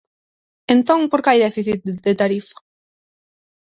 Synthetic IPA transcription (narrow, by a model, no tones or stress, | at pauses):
ẽnt̪oŋpoɾkajðɛfiθit̪̚d̪et̪aɾifḁ